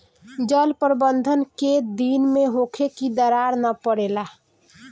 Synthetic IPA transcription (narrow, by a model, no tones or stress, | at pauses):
d͡ʒəlpəɾbənd̪ʱənked̪inmeɦokʰekid̪əɾaɾnəpəɽela